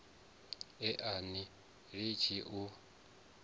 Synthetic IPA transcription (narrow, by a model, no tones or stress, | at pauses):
ɛʔani | ɺit͡ʃʰiʔu